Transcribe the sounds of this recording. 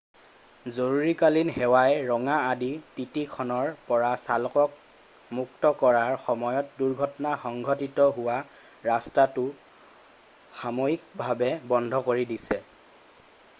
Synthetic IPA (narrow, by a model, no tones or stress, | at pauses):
zoɹuɹikalinɦɛwajɹɔŋaadititikʰɔnɔɹpɔɹasalɔkɔk̚ | muktɔkɔɹaɹxɔmɔjɔt̚duɹɡʱɔtɔnaxɔŋɡʱɔtitɔɦʊwa | ɹastatʊ | xamoik̚bʱabɛbɔndʱɔkoɹidisɛ